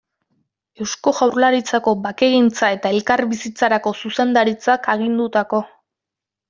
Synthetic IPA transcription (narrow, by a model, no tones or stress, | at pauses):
e̞wsko̞ɣawrlaɾit͡sako̞bake̞ɣint͡sae̞t̪ae̞lkaɾβisit͡saɾako̞suse̞nd̪aɾit͡sakaɣ̞ind̪ut̪ako̞